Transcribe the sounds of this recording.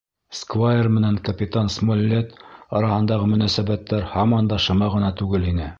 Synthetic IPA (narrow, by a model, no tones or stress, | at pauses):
skvajermɘ̆næŋkɐpʲit̪ansmolʲːet̪ɑɾɑhɤ̆nd̪ɑʁɤmɵ̆næsæbæt̪ːæɾhɑmɑnd̪ɑʃɤ̆mɑʁɤ̆nɑt̪ʉɡɘlinɘ